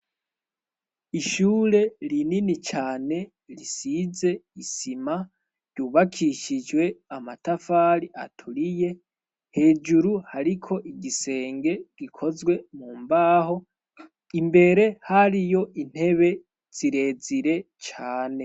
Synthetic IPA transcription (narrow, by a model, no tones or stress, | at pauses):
iʃuːɾe̞ɾininit͡ʃaːne̞ | ɾisize̞isima | ɾɟ̥uːβakʰiʃid͡ʒwe̞amatafaːɾia̰tʰuɾije̞ | he̞ːd͡ʒuɾuhaɾikʰo̞ʔiɟise̞ːŋɡe̞ɡ̥ikʰo̞zɡwe̞muːmbaːɦo̞ | imbe̞ɾe̞haɾijo̞ʔin̥he̞βe̞ | z̥iɾe̞ːziɾe̞t͡ʃaːne̞